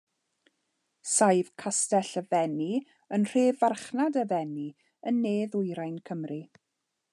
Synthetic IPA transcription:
sajv̥kʰastɛɬəvɛni | ənr̥eːvarχnadəvɛni | ənːeːðʊjɾajnkʰəmri

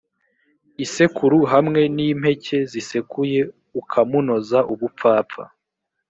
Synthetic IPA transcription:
ise̞kʰuɾuɦamŋe̞niːm̥he̞ce̞zise̞kuje̞ | ukʰamuno̞zaʔuβupp͡faːpp͡fa̰

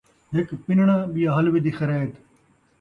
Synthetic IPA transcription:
ɦɪkpɪnɳãːɓijaɦɐlʋid̪ixɐɾeːt̪

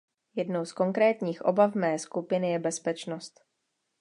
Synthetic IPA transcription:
jɛdno̞wsko̞ŋkɾɛːt̪ɲiːxʔobavmɛːskupɪnɪjɛbɛspɛt͡ʃno̞st̪

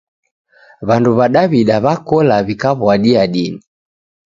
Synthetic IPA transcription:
βanduβaɗaβiɗaβakɔlaβikaβwaɗiaɗini

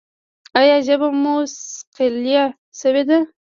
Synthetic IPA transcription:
ajɑʒabamusqelja | sawed̪a

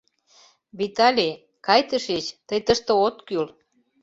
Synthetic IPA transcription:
βit̪ɑlʲi | kɑjt̪əʃet͡ɕt̪əjt̪əʃt̪ə̆ot̪kyl

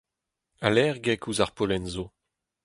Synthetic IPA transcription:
alɛʁɡɛkuzaʁpolɛnzo

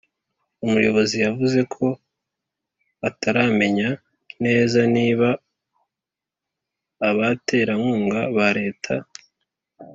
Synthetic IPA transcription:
umujo̞βo̞zijavuze̞kʰo̞ | ataɾame̞ɲa | ne̞ːzaniːβa | βatʰe̞ːɾamuːŋɡaβaɾe̞ːtʰa

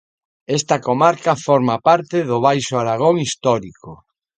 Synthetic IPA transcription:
est̪ɐkomaɾkɐfɔɾmapaɾt̪ɪðʊβ̞ajʃoaɾaɣ̞oŋist̪ɔɾiko

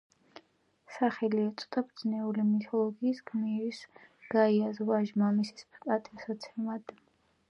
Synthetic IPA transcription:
saχɛliɛt̪sʼt̪ʼabɾd̪znɛulimit̪ʰɔlˠɔɡiːsɡmiɾisɡ̥aiazvaʒmamisi̥spkʼat̪ʼɛsat̪sʰɛmad̪

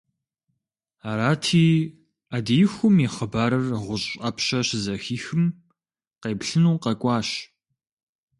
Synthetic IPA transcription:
aːɾaːtʰiː | adijɪxʷʊmiχəbaːɾɐrʁʷʊɕʼɐpʰɕɐɕzɐxiːxɨm | qeːpɬɨnuːqɐkʷʼɑːɕ

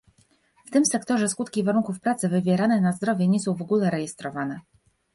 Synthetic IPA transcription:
ft̪ɘmsɛkt̪ɔʐɛskut̪kʲivaɾunŋkufpɾat̪sɘvɘvʲjɛɾanɛnazd̪ɾɔvʲjɛɲɛsɔ̃w̃vɔɡulɛɾɛjɛst̪ɾɔvanɛ

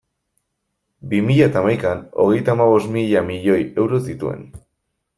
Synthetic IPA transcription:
bimiʎaet̪amajkano̞̰ɣ̞e̞jt̪aːmaβ̞o̞smiʎamiʎo̞je̞wɾo̞sit̪ue̞̰n

